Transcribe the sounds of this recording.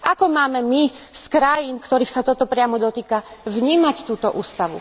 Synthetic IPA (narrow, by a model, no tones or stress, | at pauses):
akɔmaːmɛmiskɾajinkt̪ɔɾiːxsat̪ɔt̪ɔpɾɪamɔd̪ɔt̪iːkavɲiːmact̪uːt̪ɔʔuːst̪aʋṵ